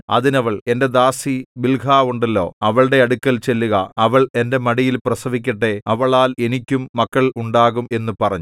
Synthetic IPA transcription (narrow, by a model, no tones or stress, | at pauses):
ɐ̰ðinɐʋɐɭe̞nde̞d̪aːsibilɡʰʱaːʋuɳɖɐlːo̞̰ːɐʋɐɭɽe̞ɐɽukːɐlt͡ɕe̞lːuɣɐɐʋɐɭe̞nde̞mɐɽijilprɐsɐʋikʲːɐʈːe̞ɐʋɐɭaːle̞nikʲːumːɐkːɐɭuɳɖaːɣume̞nːupɐrɐɲːu